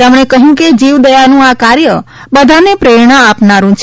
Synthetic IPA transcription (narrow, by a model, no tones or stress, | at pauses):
əmɳ̃ekəɦjũked͡ʒiʋd̪əjanũakaɾjə | bəd̪ʱanepɾeɽ̃aapnaɾũt͡ʃʰ